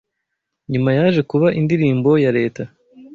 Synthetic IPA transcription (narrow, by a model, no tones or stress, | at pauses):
ɲumajaːʒe̞kuβaʔindiɾiːmbo̞jaɾe̞ːta